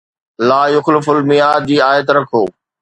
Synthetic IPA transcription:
laːjʊxlɪfʊlmɪjaːd͡ʑiːaːjət̪ɾɐkʰoː

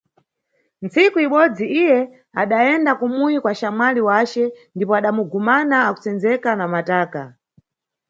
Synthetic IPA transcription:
nt͡sikuiɓɔd͡ziʔijɛ | aɗaɛndakumujikwaʃamaliwat͡ʃɛndipɔaɗamuɡumanaːku̥t͡sɛnd͡zɛkanamataːka

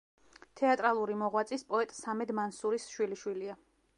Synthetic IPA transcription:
t̪ʰɛat̪ʼɾalˠuɾimɔʁwat̪sʼispʼɔɛt̪ʼsamɛd̪mansuɾisʃwiliʃwilia

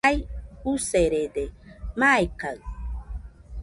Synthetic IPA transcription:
ajuseɾed̪emajkaw

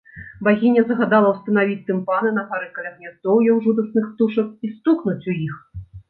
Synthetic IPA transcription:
baɣʲinʲɐzɐɣad̪alˠɐwst̪ɐnavʲit͡sʲt̪ɨmpanɨnɐpaɾɨkɐlʲɐɣnʲɛt̪ɔwjɔwʐud̪ɐsnɨxt̪uʂɐk̚ist̪uknut͡sʲujix

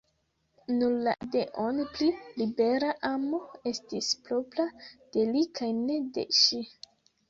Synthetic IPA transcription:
nuɾla̰deʔonplilibe̞ɾaʔamo̞e̞stispɾo̞plad̥e̞likʰajne̞de̞̰ʃi

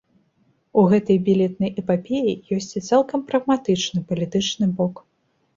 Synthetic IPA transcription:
uɣɛt̪ɐjbʲilʲɛt̪̚nɐjɛpapʲejijɔsʲt͡sʲit̪salˠkɐmpɾɐɣmat̪ɨt͡ʂnɨpɐlʲit̪ɨt͡ʂnɨbɔk

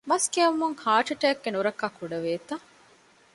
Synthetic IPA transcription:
mɐskiɐmuŋhaːʈɐʈɛːk̚ɡenuɾɐkːɐkuɖɐʋeːt̪ɐ

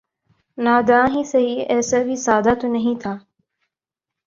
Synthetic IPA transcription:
naːd̪aãːɦĩːsɐɦiːɛːsaːbʱiːsaːd̪aːt̪onɐɦĩːt̪ʰaː

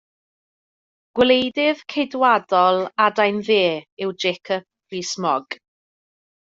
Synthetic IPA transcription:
ɡ̥wlejdɪv̥kʰedwadɔlˠadajnðeːɪwd͡ʒekʰɔp̚riːsmɔɡ̥

